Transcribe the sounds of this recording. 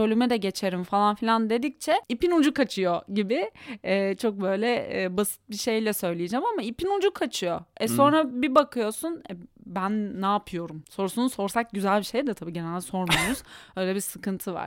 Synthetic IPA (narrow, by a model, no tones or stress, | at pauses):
ølʲymɛd̪ɛɟe̞t͡ʃʰe̞ɾimfalˠanfilʲand̪e̞d̪ic̚t͡ʃʰɛipinud͡ʒukat͡ʃʰɯjo̞ɟibɪɛːt͡ʃʰo̞k̚bø̞jlʲɛːbasɯ̥t̪̚biʃe̞jlʲɛsø̞jlʲijed͡ʒæmamaipʰinud͡ʒukʰat͡ʃʰɯjoɛso̞nɾabibakʰɯjo̞sunɛbænːaːpʰɯjo̞ɾumso̞ɾusunso̞ɾsak̚ɟyzælʲbiʃe̞jd̪ɛt̪ʰabiːɟe̞nɛlʲd̪ɛso̞ɾmauz̥ø̞jlʲɛbisɯkʰɯnt̪ʰɯva̰ɾ̥